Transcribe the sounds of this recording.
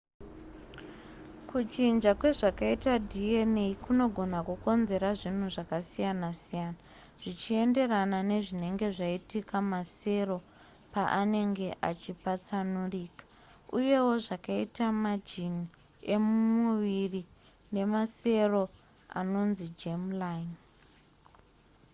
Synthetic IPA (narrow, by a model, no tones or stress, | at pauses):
kut͡ʃind͡ʒakwe̞ʐakaitadʱieneikuno̞ɡʱo̞nakuko̞nze̞ɾaʐin̤uʐakasijanasijaːna | ʐ̥it͡ʃie̞nde̞ranane̞ʐine̞ŋɡe̞ʐaitikamase̞ro̞ | paʔane̞ŋɡe̞ʔat͡ʃipat͡sanuriːkḁ | uje̞wo̞ʐakaitamad͡ʒini | e̞mumuʋiri | ne̞mase̞ro̞ | a̰no̞nzid͡ʒemlan